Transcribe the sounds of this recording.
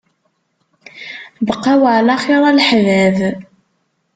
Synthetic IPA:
bəqːæwʕlæχiɾˤɑlħvæv

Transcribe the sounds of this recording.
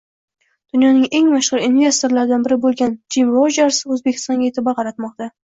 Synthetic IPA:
d̪̥ʊnjɒnɪŋe̞ŋmaʃʁʊɾinvʲe̞st̪o̞ɾlaɾd̪anbɪɾɪbolˠɡʲand͡ʒimvɒd͡ʒaɾsɪɵzbe̞kʲʰɪ̥st̪ɒŋɡʲaet̪ʰɪbaqʰɑɾat̪mɒq̚t̪a

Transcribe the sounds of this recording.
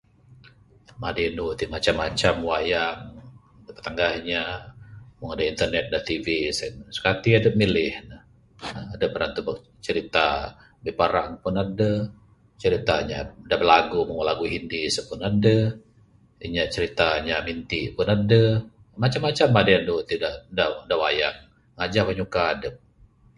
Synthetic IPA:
madenut̪iʔmat͡ʃamːat͡ʃamwajaŋ | dəpə̥t̪aŋɡahiɲa | mʊŋadəint̪ərnɛt̪̚daht̪ivisənsə̥kat̪iadəmilɪhnəh | adəbəɾant̪ubə | t͡ʃəɾit̪a | bipaɾaŋpʊnadə | t͡ʃəɾit̪aɲa̰dabərlaɡumuŋəlaɡuɦindisəpʊnadə | iɲat͡ʃəɾit̪aɲamint̪iʔpʊnadə | mat͡ʃamːat͡ʃamadajandut̪idaʔdadawajaʔ̚ | ŋad͡ʒaʔpəɲukaːdəp̚

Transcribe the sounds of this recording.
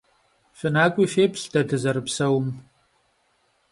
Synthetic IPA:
ɕʷɨnaːkʷʼiʃeːpʰɬdʰɐdɨzɐrɨpsɐwm

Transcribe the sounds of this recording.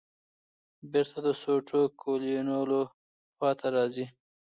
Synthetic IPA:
bɪɾt̪ʰad̪əsoʈʰokʰolinolo | pɑt̪ʰaɾɑzi

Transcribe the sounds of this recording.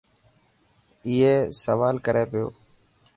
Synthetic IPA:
ɪːeːsəʋaːlkəɾeːpɪjo̰ː

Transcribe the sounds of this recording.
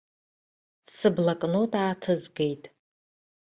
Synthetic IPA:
sɨblakʼnotʼaːtʰɨzɡe̞jtʼ

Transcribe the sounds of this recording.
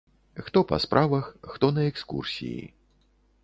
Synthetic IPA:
xt̪ɔpɐ̰spɾʔavɐxːt̪ɔnɐɛkskṵrsʲḭjḭ

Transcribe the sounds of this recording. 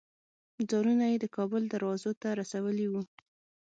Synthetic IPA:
d͡zɑɾunajed̪əkɑbʊld̪aɾwɑzot̪aɾasawəliwu

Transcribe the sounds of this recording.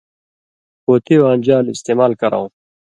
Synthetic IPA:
poːt̪ʰiwaːnd͡ʑaːlist̪eːmaːlkɐɾã̰w̃

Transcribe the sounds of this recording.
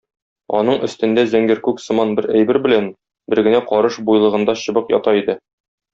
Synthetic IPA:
ɒ̰nɤɴɵ̆st̪ɘ̆nd̪æzæŋɡɘɾkʉksɤ̆mɑnbɘɾæjbɘɾbɘ̆læn | bɘ̆ɾɡɘ̆næqɒɾɤʃbujlˠɤ̆ʁɤ̆nd̪ɑɕɤ̆bɤqjɒ̰t̪ɑid̪ɘ

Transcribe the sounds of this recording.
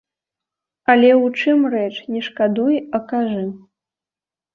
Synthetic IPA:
alʲɛwt͡ʂɨmrɛt͡ʂnʲɛʂkad̪ujɐkaʐɨ

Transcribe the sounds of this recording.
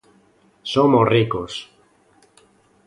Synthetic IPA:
somosrikos

